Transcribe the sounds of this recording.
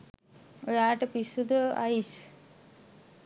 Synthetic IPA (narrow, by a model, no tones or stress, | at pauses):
ojaːʈəpisud̪əa̰is